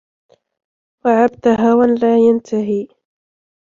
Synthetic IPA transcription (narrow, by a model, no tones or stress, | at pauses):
waʕab̚t̪aɦaːwanlaːjant̪ʰaɦiː